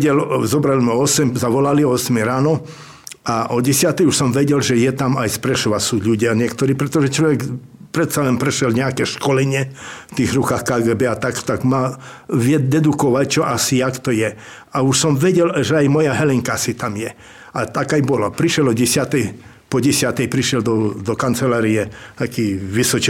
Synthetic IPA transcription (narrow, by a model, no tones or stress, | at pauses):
ɟɛlzɔbɾalizmɛɔsɛmzaʋɔlaliɔɔsmɛjɾaːnɔ | aʔɔɟɛsɪat̪ɛjuʃsɔmʋɛɟɛlʒɛjɛt̪amajspɾɛʃɔʋasuːʎuɟɪaɲɪɛkt̪ɔɾiːpɾɛt̪ɔʒɛt͡ʃlɔʋɛkpɾɛt̪salɛnpɾɛʃjɛlɲɛakɛʃkɔlɛɲɪɛft̪iːɣɾukaːxkaːɡɛːbɛat̪akt̪aɡma | ʋɪɛd̪ɛd̪ukɔʋact͡ʃɔʔasijakt̪ɔjɛ | auʃsɔmʋɛɟɛlʒɛajmɔjaɦɛlɛŋkaasit̪amjɛ | at̪akajbɔlapɾiʃjɛlɔɟɛsɪat̪ɛj | pɔɟɛsɪat̪ɛjpɾiʃɪjɛld̪ɔd̪ɔkant͡sɛlaːɾiɛt̪akiːʋisɔt͡ʃ